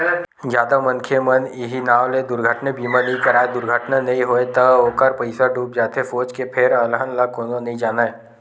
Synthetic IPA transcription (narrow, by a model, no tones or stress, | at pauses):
d͡ʒjaːd̪amɐnkʰemɐnɪɦinaːʋled̪ʊɾɡʱəʈnebiːmanɐɦĩkɐɾaːed̪ʊɾɡʱəʈnanɐɦĩɦoːet̪ɐoːkəɾpəɪsaɖʱuːp̚d͡ʒaːt̪efoːt͡ʃkepʰɪɾələɦənlakoːnonɐɦĩd͡ʒaːnae